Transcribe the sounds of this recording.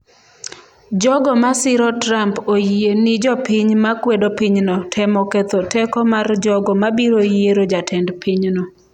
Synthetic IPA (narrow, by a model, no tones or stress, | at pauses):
d͡ʒɔɡɔmasɪɾɔtɾampojenɪd͡ʒɔpiɲmakwedopiɲnɔtʰɛmɔkɛt̪otɛkɔmard͡ʒɔɡɔmabiɾojeɾod͡ʒatʰɛndpʰiɲnɔ